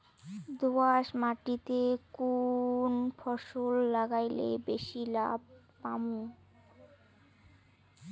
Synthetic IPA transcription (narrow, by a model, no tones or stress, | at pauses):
d̪oaʃmaʈit̪ekunpʰɔʃolːaɡajlḛbeʃila̰b̚ | pamu